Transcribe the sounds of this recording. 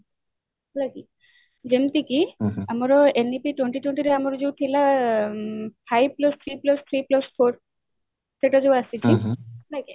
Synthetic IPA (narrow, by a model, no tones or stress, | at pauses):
laki | d͡ʑemt̪ikiamɔɾɔenipiʈweɳʈiʈweɳʈiɾeamɔɾɔd͡ʒewʈ̪ʰila | pʰajb̚plɔst̪ʰɾiplɔst̪ʰɾiplɔspʰoɾ | seʈad͡ʒeasit͡ʃʰibake